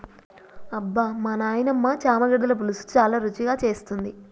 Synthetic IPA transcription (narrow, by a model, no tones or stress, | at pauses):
ɐbːamɐnaːjnɐmːat͡ʃaːmɐɡɐɽɐlɐp̬ulusu̥t͡ʃaːlaːɾut͡ʃiɡaːt͡ʃe̞ːst̪und̪i